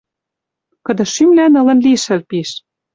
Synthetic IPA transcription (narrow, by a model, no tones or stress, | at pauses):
kɤ̆d̪ɤ̆ʃymlænɤ̆lɤ̆nliʃɘ̆lpiʃ